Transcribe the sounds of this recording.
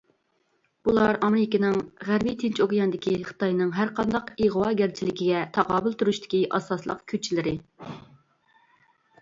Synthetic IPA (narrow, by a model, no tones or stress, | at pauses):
b̥ulˠɑɾɑmɪɾɪkʲɪnɪŋʁæɾbijt̪ʰɪnt͡ʃokjɑnɨd̪ɪkʲiχə̥t̪ɑjnɨŋɦæɾqɑnd̪ɑqiʁwɑɡʲæɾt͡ʃʰilɪkʲʰiɡʲɛt̪ʰɑʁɑːbɨlˠt̪ʰuɾuʃt̪ʰɪ̥kʲiʔɑ̰sɑslˠə̰qkʲʰøt͡ʃʰːilɪɾɪ